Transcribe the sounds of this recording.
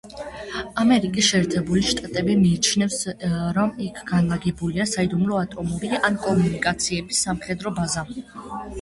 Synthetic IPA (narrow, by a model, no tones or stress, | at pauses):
amɛɾikʼisʃɛːɾt̪ʰɛbuliʃt̪ʼat̪ʼɛbimiːt͡ʃʰnɛfsɾɔmikʰɡ̥anlˠaɡɛbuliasaid̪umlɔat̪ʼɔmɔbiliʔankʼɔmunikʼat̪sʰiɛbisːamχɛd̪ɾɔbaza